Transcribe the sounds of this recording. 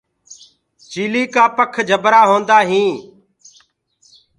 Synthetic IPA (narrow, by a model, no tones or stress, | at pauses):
t͡ʃiːliːkaːpəkʰd͡ʒʱəbɾaːɦõːnd̪aːɦĩː